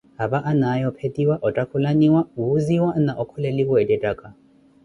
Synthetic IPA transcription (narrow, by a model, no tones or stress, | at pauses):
habaʔanajɔpʰetʼiwaʔɔtʼakʰulaniwauuziwanaʔɔkʰɔlɛlikɔɛdʼɛtʼakʼa